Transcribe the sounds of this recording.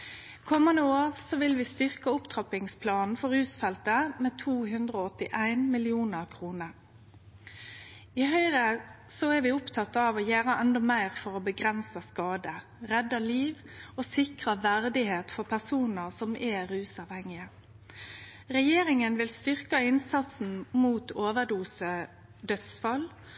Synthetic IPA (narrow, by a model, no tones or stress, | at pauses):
kʰɔmːɑnəoːʁsɔʋɪlʋɪst̪ʏʁkəʊpt̪ʰʁɑpɪŋspʰlɑːnn̩fɔɾʉːsfɛlt̪əmeːt̪ʰuːɦʉnd̪ʁoːɔt̪ːɪʔæɪnmɪlɪuːnəʁkʰʁuːnəʁ | ɪhœʏʁəsɔɛɾʋɪʊpt̪ʰɑt̪ːɑʋoːjæːɾəʔɛnd̪ɔmæɪʁfɔʁoːbəɡʁɛnsəskɑːd̪ə | ʁɛd̪ɑliːʋ | oːsɪkʁɑʋæʁd̪ɪheːt̪fɔʁpʰæʁsuːnəʁsɔmʔɛɾʉːsɑʋhɛŋɪə | ʁɛjeːɾɪŋənʋɪlst̪ʏʁkəɪnsɑt̪sn̩muːt̪oːʋəʁd̪uːsə | d̪œt̪sfɑl